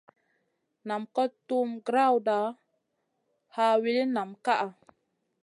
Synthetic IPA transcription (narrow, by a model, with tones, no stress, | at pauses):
na˨mkɔ˦tːu˦mɡɾa˦wda˨˦ | ha˦wi˦li˦na˨mka˦ʔa˨